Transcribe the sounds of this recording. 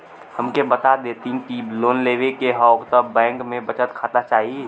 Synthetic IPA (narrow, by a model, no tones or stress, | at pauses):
həmkebət̪ad̪eːt̪ĩkibloːnleːʋekeɦɔʊkt̪əbɛ̃ːŋkmẽbət͡ʃət̪kʰat̪at͡ʃaːɦi